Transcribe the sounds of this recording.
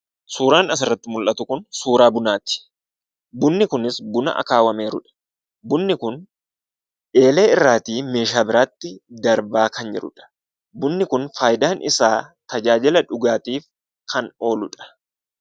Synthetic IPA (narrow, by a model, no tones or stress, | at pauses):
suːɾaːnɐs̬ɪrːɐt̪ːɪmʊlʔɐt̪ʊkʊnsuːɾaːbʊnaːt̪ɪ̥ | bʊnːɪkʊnɪsbʊnɐ̰ʔɐ̰kaːwɐme̞ːɾʊᶑɐ̥ | bʊnːɪkʊn | ᶑe̞ːle̞ːɪrːaːt̪iːme̞ːʃaːbɪɾaːt̪ːɪd̪ɐɾbaːkɐnd͡ʒɛ̰ɾʊ̰ᶑɐ̥ | bʊnːɪkʊnfaːjd̪aːnʔɪsaːt̪ɐd͡ʒaːd͡ʒɪlɐᶑʊɡaːt̪iːf | kʰɐno̞ːlʊᶑɐ̥